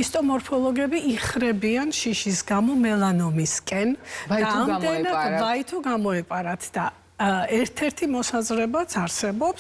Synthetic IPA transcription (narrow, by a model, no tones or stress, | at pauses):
ist̪ʼɔmɔɾpʰɔlˠɔɡɛbiiχɾɛbianʃiʃisɡamɔmɛlˠanɔmiskʼɛnaamd̪ɛnad̪vait̪ʰɔɡamɔɛpʼaɾat̪ʰd̪̥a | ɛɾt̪ʰɛɾt̪ʰimɔsazɾɛbat̪sʰaɾsɛbɔps